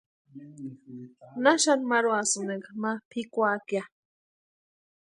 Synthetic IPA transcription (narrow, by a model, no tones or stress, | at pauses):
naʃanmaɾuasɨneɡamapʰikʷakja